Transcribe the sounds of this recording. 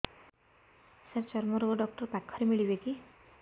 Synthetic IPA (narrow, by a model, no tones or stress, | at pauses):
set͡ʃʌrmʌɾoɖʌk̚ʈʌrbakʰːʌɾimiɭibeki